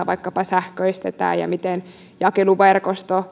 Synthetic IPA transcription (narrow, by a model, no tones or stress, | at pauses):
ʋɑ̰ikːɑpɑsæhkøist̪et̪æ̰ːjɑ̰mit̪en | jɑkeluʋerkost̪o